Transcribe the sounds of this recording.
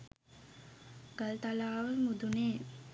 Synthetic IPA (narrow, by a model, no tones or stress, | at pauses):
ɡalt̪alaːʋəmud̪uneː